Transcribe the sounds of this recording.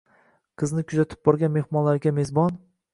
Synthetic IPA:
qʰɨznɪkʲʰʊzat̪ʰɪ̥p̚bɒɾɡʲanme̞hmɒnlaɾɡʲame̞zbɒn

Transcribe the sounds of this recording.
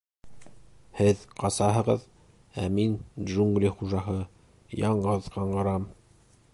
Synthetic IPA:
hɘðqɑsɑɦɤ̆ʁɤð | æminʒuŋɡlʲiχuʒɑɦɤ | jɑɴɢɤðqʰɑɴɢɤ̆ɾɑm

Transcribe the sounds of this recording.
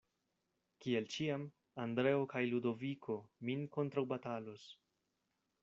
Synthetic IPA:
kielt͡ʃiam | andɾe̞okajludo̞vikʰo̞minko̞ntɾawbatalos

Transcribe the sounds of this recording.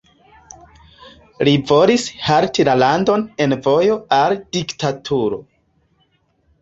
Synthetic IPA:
livo̞lishaɾtilalando̞ne̞nvo̞jo̞ald̥iktatʰuɾo̞̰

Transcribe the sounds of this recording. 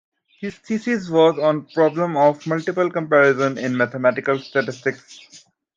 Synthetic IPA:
hɪz̥siːsizʋɔːzɔ̃ːnpɾɔːblə̃mɔːʋməlʈɪpəlkə̃mpæɾɪzə̃nɪ̃nmæt̪ʰemæʈɪkəlsʈɛʈɪsʈɪks

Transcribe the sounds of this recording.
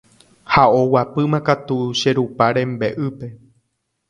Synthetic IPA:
hao̞wapɨmãkat̪uʃe̞ɾupaɾẽ̞mbe̞ʔɨpe̞

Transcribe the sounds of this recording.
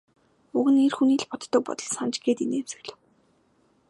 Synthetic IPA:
uɣɘ̆nerxuniːɮpɔt̪t̪ːə̆k̚pɔ̰t̪ɞ̆ɮsant͡ɕɡeːt̪ineːmsɵ̆ɣɮɘ̆w

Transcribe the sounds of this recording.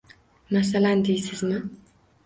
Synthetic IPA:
masaland̪ejsɪzmɪ

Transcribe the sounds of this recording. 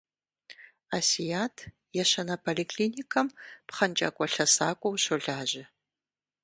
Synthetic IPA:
asijaːtʰ | jɛɕɐnɐpʰolikʰliːnikʰɐmpχɐnt͡ʃʼa̰ːkʷʼɔɬɐsaːkʷʼɔwɕoɮaːʒʑɪ

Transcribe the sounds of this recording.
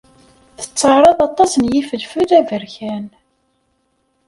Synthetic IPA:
θə̥t͡sːəɾˤɑðˤɑt̪ˤːɑsənjifəlfuðævəɾçæn

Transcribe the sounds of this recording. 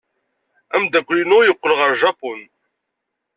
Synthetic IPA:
æmd̪ækʷːlinʊjəqːəlʁəɾˤʒɑpon

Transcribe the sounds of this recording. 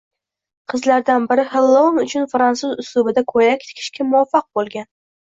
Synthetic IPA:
qʰɨzlaɾd̪anbɪɾɪhɪlˠːomʊt͡ʃʰʊnfɾansʊzʊsʊbɪd̪akʰojakʲt̪ʰɪ̥kʲʰɪ̥ʃkʲʰamʊwafːɑq̚bolˠɡʲan

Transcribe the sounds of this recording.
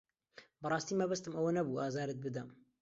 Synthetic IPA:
bɨrˤɑːst̪iːmɐbɐst̪ɨmɐwɐnɐbuːaːzaːɾɨt̪̚bɨd̪ɐm

